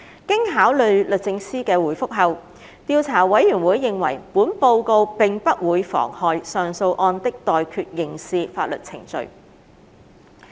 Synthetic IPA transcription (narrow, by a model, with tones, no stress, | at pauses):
kɪ˥ŋɦaː˨˥wlɵ˨ɥlɵ˨t̚t͡sɪ˧˥ŋsiː˥kɛː˧wuː˨˩jfʊ˥k̚ɦɐ˨w | t̪iː˧wt͡sʰaː˨˩wɐ˨˥jːyː˨˩nwuː˨˥jːɪ˨ŋwɐ̰˨˩jpuː˨˥npo˧wko˧wpɪ˨ŋpɐ˥t̚wuː˨˧jfɔ̰ː˨˩ŋhɔː˨˧jsœː˨ŋso˧wʔɔː˧nt̪ɪ˥k̚t̪ɔː˨jkʰyː˧t̚jɪ˨ŋsiː˧faː˧t̚lɵ̰˨t̚t͡sʰɪ̰˨˩ŋt͡sɵ̰˨˧ɥ